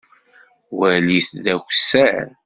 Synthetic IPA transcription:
wæliθðæçsæɾ

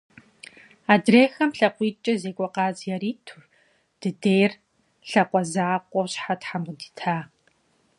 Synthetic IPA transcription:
aːdreːxɐmɬɐqʷiːt͡ʃʼɐzeːkʷʼɔqaːzjɛɾiːtʰu | d̥ɨdeːjr | ɬɐqʷɔzaːqʷʼɔwɕħatħamʁʷʊdi̥ːtʰaː

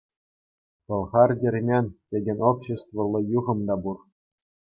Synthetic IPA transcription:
pɤ̆lˠʁɑrdʲĕrʲmʲenʲtʲeɡʲɘ̆nʲopɕĕst̪ʋɤ̆lˠːɤ̆juʁɤ̆md̪ɑbur

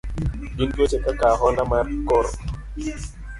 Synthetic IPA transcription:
binkot͡ʃɛkakaɦɔndamaɾkɔɾ

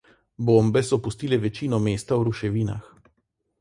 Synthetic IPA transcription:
bombɛsɔpust̪iːlɛʋɛt͡ʃiːnɔmeːst̪awɾuʃɛʋiːna̰x

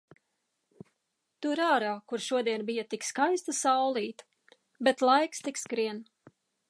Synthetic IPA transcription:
t̪uɪɾaːɾaːkuɾʃuɔd̪iɛnbijat̪ikskajst̪asawlˠiːt̪ | bet̪lˠajkst̪ikskɾiɛn

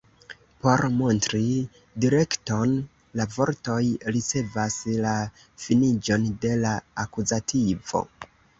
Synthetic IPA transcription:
po̞ɾmontɾi | diɾe̞kto̞n | lavo̞ɾto̞jɾit͡se̞vasla | finid͡ʒo̞nde̞laakuzatʰivo̞̰

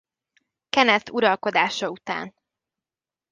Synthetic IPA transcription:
kɛnɛt̪uɾɒlko̞d̪aːʃɒut̪a̰ːn

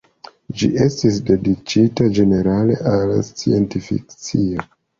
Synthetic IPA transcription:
d͡ʒḭʔe̞stisde̞dit͡ʃitad͡ʒe̞ne̞ɾale̞̰ʔalst͡sie̞ntifḭk̚t͡sio

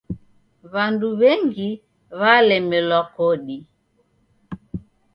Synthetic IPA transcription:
βanduβɛŋɡi | βalɛmɛlwakɔɗi

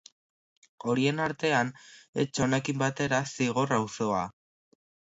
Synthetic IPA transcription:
o̞ɾie̞naɾt̪e̞ane̞̰t͡ʃo̞ne̞kimbat̪e̞ɾasiɣ̞o̞rawso̞a̰

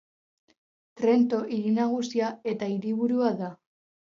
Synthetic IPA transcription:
t̪ɾe̞nt̪o̞ʔiɾinaɣ̞usiae̞t̪aiɾiβuɾuaða

